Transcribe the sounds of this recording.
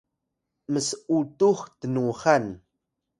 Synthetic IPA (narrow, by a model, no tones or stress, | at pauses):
məsut̪uχt̪ənuχan